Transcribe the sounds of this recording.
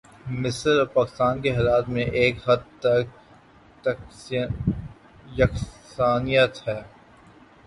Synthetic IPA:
mɪsəɾɔpaːkɪ̥st̪aːnkeɦeːlaːt̪mẽʔeːkɦɐd̪̚t̪ɐk̚ | t̪ | jɐksaːnijət̪hɛː

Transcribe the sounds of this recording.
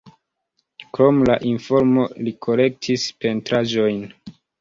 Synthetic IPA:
kɾo̞mlaʔinfo̞ɾmo̞likʰo̞ɾe̞k̚tʰispe̞ntɾaʒo̞jn

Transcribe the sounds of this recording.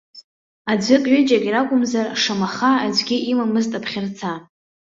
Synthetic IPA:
ad͡zʷɪkʼɥʏd͡ʒʼakʲʼiɾakʷʼʊmzarʂamaχaːd͡ʒʷɡʲiʔimamɨztʼapʰχʲɪrt͡sʰa

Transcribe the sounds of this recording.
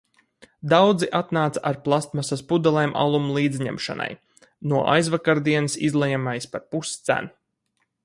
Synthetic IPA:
d̪awd̪ziʔat̪naːt̪saʔaɾplˠast̪masaspud̪alˠɛːmʔa̰lˠumlˠiːd̪zɲɛ̰mʃa̰na̰j | nuɔʔa̰jzvakaɾd̪iɛnɨsḭzlˠɛjamajspaɾpust̪sæ̰n

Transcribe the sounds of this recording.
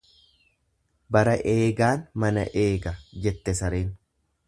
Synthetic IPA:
bɐɾɐʔeːɡaːnmɐnɐ̰ʔe̞ːɡɐd͡ʒɛt̪ːɛsɐɾeːn

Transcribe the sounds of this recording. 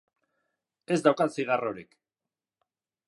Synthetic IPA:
e̞zd̪awkasiɣaro̞ɾik

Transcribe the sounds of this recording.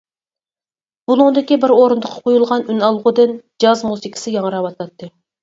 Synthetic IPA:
b̥ulˠuŋd̪ɪkʲibɪɾoɾɨnd̪əqʰːɑ̥qʰojulˠʁɑnynɑlˠʁʊd̪ɨnd͡ʒɑzmusikʲʰɪ̥sɪjɑŋəɾɑwɑt̪ʰɑt̪ːɨ

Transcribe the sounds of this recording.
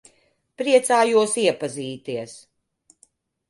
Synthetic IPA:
pɾiɛt̪saːjuɔsiɛpaziːt̪iɛs

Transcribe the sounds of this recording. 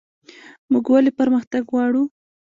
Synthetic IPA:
muɡwalepaɾməxt̪aɡwɑɽu

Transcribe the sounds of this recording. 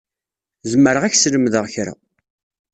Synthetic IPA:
zəmːəɾəʁæçsləmðəʁçɾa̰

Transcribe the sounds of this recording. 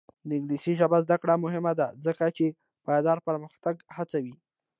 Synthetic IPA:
d̪əɪɡlisiʒabazd̪akɽamʊɦɪmad̪azəkat͡ʃe | pajd̪ɑɾpəɾməxt̪aɡhat͡sawi

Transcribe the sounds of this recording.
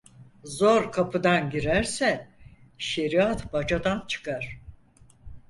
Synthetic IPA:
zoɾkʰapʰɯd̪anɟiɾæɾsɛ | ʃe̞ɾiat̪bad͡ʒad̪ant͡ʃʰɯ̥kʰaɾ̥

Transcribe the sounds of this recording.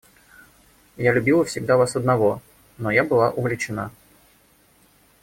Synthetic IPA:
jalʲʉbʲilˠəfsʲɪɡ̚d̪avasəd̪nɐvo̞ | nojabɨlˠaʔʊvʲlʲɪt͡ɕɪna̰

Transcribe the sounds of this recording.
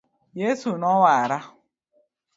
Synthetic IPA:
jesunɔwaaɾa

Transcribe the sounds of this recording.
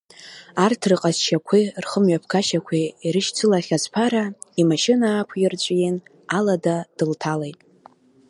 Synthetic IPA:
artʰrɨqʼazʃakʷʰirχəmɥapʰkʰaʃakʷʰiiɾɨʃt͡sʰɨlaχʲazpʰaɾa | imaʃɪnaːkʷʰjɪrt͡ɕʷʼjen | aladad̥ɨltʰalejtʼ

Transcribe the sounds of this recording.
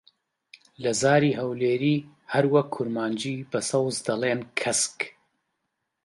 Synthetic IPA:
lɐzaːɾiːɦɐwleːɾiː | hɐɾwɐkʰːʊɾmaːnd͡ʒiːbɐsɐwzd̪ɐlˠeːnkʰɐsk

